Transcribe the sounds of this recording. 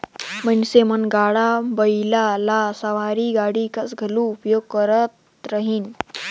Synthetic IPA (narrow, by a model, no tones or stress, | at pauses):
mənsemənɡaɽabəjlalasəʋaɾiːɡaɽiːkasɡʱelũupjoɡ̚kəɾət̪ | ɾəɦiːn